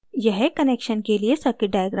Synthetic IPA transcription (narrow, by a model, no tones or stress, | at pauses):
jɐɦɛkɐneːkʃənkeliesɐkɪɖaːjəɡɾa